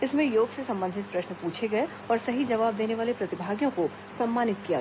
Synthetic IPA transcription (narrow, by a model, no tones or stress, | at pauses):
ɪsmẽjoːɡsesɐ̃mbə̃nd̪ʱɪt̪pɾɐʃnəpuːt͡ʃʰeɡɐe | ɔːɾsɐɦid͡ʒɐʋaːb̚d̪eːneʋaːlepɾɐt̪ɪbʱaːɡjõko | sɐmːaːnɪt̪̚kija̰